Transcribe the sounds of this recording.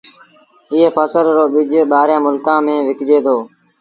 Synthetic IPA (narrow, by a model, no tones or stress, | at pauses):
ɪːfəsəlɾoːɓɪd͡ʒɓaːɾjãːmʊlkãːmẽːʋɪkd͡ʒeːd̪oː